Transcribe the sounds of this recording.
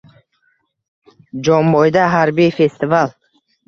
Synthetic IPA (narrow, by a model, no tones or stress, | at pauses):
d͡ʒɔmbɔjd̪aɦaɾbiːfest̪ival